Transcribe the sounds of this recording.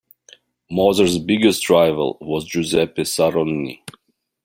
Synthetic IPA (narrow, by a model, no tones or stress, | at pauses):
mɔzəɹzbɪɡəstʰɹaɪvə̰lˠwɔzd͡ʒuzɛpɛsaɹɔnːḭ